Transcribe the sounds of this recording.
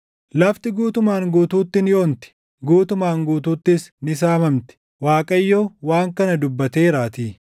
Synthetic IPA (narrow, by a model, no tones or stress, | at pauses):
lɐft̪ɪɡuːt̪ʊmaːŋɡuːt̪uːt̪ːɪnɪjoːnt̪ɪ̥ | ɡuːt̪ʊmaːŋɡuːt̪uːt̪ːɪsnɪs̬aːmɐmt̪ɪ̥ | waːkʼɐjːoːwaːŋkɐnɐd̪ʊbːɐt̪e̞ːɾaːt̪iː